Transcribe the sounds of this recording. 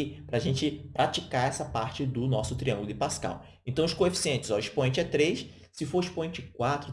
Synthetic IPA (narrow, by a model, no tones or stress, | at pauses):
ipɾɐaʒẽnt͡ʃɪpɾat͡ʃikaɾɛsɐpaɾt͡ʃɪd̪ʊnɔsʊt̪ɾiɐ̃ŋɡʊlˠʊɪpaska̰w | ẽnt̪ɐ̃w̃ʊskoefi̥siẽnt͡ʃɪzawiʃpõẽnt͡ʃɪɛt̪ɾejs | sɪfoɾiʃpõẽt͡ʃɪkwat̪ɾʊ